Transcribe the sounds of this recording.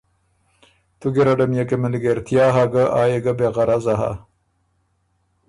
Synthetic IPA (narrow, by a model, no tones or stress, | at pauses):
t̪uɡeɾɐɖɐmjekemeliɡeɾt̪ʰjaːɦaɡɐʔaːjeɡɐbeɣɐɾazaɦa̰